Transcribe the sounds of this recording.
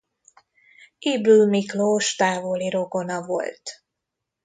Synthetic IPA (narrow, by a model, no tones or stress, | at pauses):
ibylmikloːʃt̪aːvoliɾo̞ɡo̞nɒvo̞̰lt̪